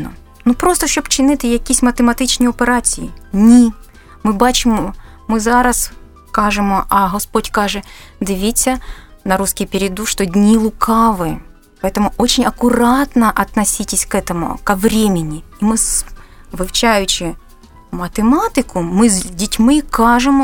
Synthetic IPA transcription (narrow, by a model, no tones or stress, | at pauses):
nɔ̰ | nupɾost̪ɔʃɔbt͡ʃɪnɪt̪ɪjɐkʲisʲmɐt̪emɐt̪ɪt͡ʃnʲiɔpeɾat͡sʲijḭnʲi | mɨbɑt͡ʃɪmɔ | mɪzɑɾɐs | kɑʐɪmɔʔɐɦɔspodʲkɑʐɛd̪ɪʋʲit͡sʲːɐnɐɾuskʲɪjpʲɪɾʲɪd̪uʂt̪ɔdʲnʲilˠʊkʰɑʋɪ | pɐɛt̪ɐmʊʔot͡ɕɪnʲɐkʊɾat̪nɐʔɐt̪nɐsʲitʲɪsʲkɛt̪ɐmʊ̰kɐʋɾʲemʲɪnʲiimɨsʋɨwt͡ʃajʊt͡ɕɪ | mɐt̪ɪmat̪ɪkʊmɨzʲdʲitʲmɨkaʐɨmɔ